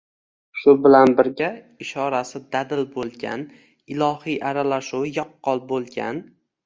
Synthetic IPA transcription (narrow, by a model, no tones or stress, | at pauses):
ʃʊbɪlanbɪɾɡʲa | ɪʃɒɾasɪd̪ad̪ɪlbolˠɡʲa̰n | ɪlɒhijʔaɾalaʃuwɪjɒqːɒlˠbolˠɡʲa̰n